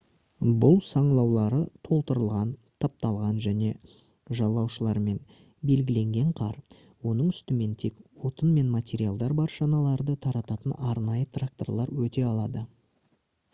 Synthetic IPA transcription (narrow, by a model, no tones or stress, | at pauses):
bʊlˠsɑɴlˠɑwlˠɑɾət̪ʰo̞lˠt̪əɾəlˠʁɑnt̪ʰɑp̚t̪ɑlˠʁɑnʒæne̞ | ʒɑlˠːɑwʃəlˠɑɾme̞n | be̞lɡʲɪle̞ŋɡʲe̞ɴqʰɑɾ | wo̞nəɴʏst̪ɪme̞nt̪ʰe̞kwo̞t̪ənme̞nmat̪ʲe̞ɾʲijalˠd̪ɑɾbɑɾʒɑnɑlˠɑɾd̪ət̪ʰɑɾɑt̪ɑt̪ənɑɾnɑjət̪rak̚t̪o̞̰rlˠɑɾwɵt̪e̞ɑlˠɑd̪ə